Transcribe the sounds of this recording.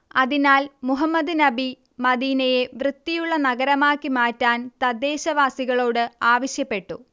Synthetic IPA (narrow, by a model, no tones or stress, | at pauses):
ɐðinaːlmuɦɐmːɐd̪ɨnɐbi | mɐd̪iːnɐje̞ʋrɨt̪ːijuɭːɐnɐɣɐɾɐmaːkːimaːtːaːnt̪ɐd̪ːe̞ːɕɐʋaːsiɣɐɭo̞ːɽɨaːʋɐɕjɐpːe̞ʈːu